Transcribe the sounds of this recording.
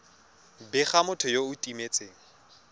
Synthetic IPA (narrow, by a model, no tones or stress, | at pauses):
bɪχamʊtʰɔjoʊtʼimet͡sʼeːŋ̩